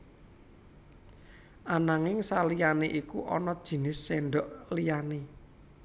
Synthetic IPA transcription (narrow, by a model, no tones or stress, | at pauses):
ʔanaŋɪŋsalijaneʔikuʔɔ̰nɔd̥ʒ̥i̤nɪsːeɳɖɔʔlijane